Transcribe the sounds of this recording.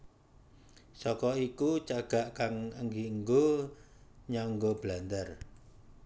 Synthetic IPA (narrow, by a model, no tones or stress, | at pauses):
sɔkɔikut͡ʃaɡ̥a̤ʔkaŋəŋɡiəŋɡo | ɲaŋɡob̥land̪ər